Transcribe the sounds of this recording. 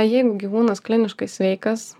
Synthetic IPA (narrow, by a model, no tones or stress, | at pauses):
jɛɪɡʊɡʲiʋuːnɐsklʲɪnʲɪʃkɐɪsʲʋʲɛɪkɐs